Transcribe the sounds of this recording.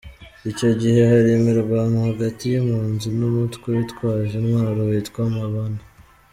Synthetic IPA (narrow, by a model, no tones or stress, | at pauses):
ico̞ɟihe̞haɾemeɾɡwamuhaɡatijimuːnzunumutkwejitkwaːʒenwaːɾohitkwamaβana